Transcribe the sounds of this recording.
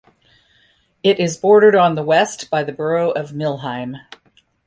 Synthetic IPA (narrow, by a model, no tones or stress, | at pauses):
ɪɾɪzbɔɹɾə˞ɾn̩ðəwɛstb̥aɪðɨbə˞oʊʔʌvmɪlˠɦãɪ̃m